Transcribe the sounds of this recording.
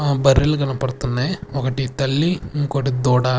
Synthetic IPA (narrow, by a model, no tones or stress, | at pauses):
bɐɾːilɡɐnɐpɐɽt̪und̪eɔkɐʈit̪ɐlːiŋkoʈid̪ɔːɽaː